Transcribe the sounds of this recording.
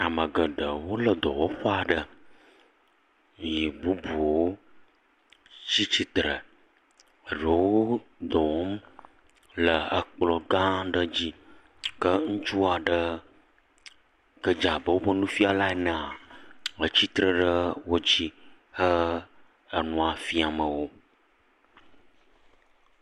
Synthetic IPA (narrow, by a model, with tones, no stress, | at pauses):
a˨mə˨ɡə˨ɖə˨wo˦lə˨d̪ɔ̰˨wo˦xo˦a˨ɖə˦˨ | ji˨bu˦bu˨wo˦ | t͡ɕi˦t͡ɕi˦t̪ɾə˨ | ə˨ɖə˨wo˦d̪ɔ˨wo˦m˦ | lə˨ə˨k͡plɔ˨ɡã˦ɖə˦d͡ʑi˦ | kə˦ŋũ˦t͡ʃu˦a˨ɖə˦ | kə˦d͡ʒa˨bə˨wo˦bə˦nũ˦fi˦a˨la˦e˨nə̃˨a˨ə˨t͡ɕi˦t̪ɾə˦ɖə˦wo˦d͡ʑi˦ | hə˦ | ə˨nũ˨a˨fi˦a˨mə˨wo˦